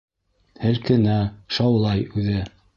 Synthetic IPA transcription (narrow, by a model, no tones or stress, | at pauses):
hɘɾkɘ̆næʃɑwlˠɑjʉðɘ